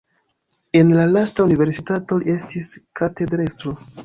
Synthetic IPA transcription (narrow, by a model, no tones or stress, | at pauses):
e̞nlalastaunive̞ɾsitato̞lie̞stiskate̞dɾestɾo